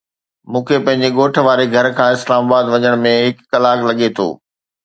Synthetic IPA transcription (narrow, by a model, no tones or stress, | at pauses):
mũːkʰepɐ̃ɦɪ̃ɲ̆d͡ʑeɠoːʈʰʋaːɾeɡʱɐɾkʰãːɪslaːmaːbaːd̪ʋɐɲəɽ̃mẽɦɪkːɐlaːklɐɠet̪ʰo̰ː